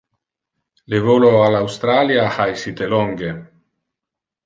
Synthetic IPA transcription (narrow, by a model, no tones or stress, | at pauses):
levoloalawst̪ɾaːljahajsit̪elɔŋɡe